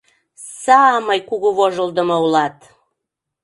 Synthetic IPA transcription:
sɑmɤjkuɣuβoʒə̆ld̪ə̆mɤulɑt̪

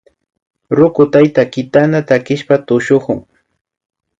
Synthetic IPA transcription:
ɾʊkʊt̪ajt̪akɪt̪anat̪akɪʃpat̪ʊʃʊkʊŋ

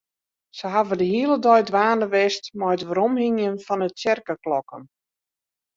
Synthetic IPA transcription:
səɦavədəhiəlˠədɔjdʋaːnəʋɛstmɔjtʋəɾɔmhiŋjənfɔnətsɛrkəklɔkə̰n

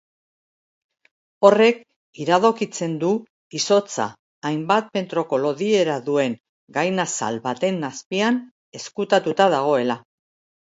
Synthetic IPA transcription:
o̞re̞k | iɾaðo̞kit͡se̞nd̪u | iso̞t͡sa̰ː | jmbat̪̚pe̞nt̪ɾo̞ko̞lo̞ðie̞ɾaðue̞ŋ | ɡajnasa̰lβat̪e̞nːaspian | e̞skut̪at̪ut̪að̞aɣ̞o̞e̞la

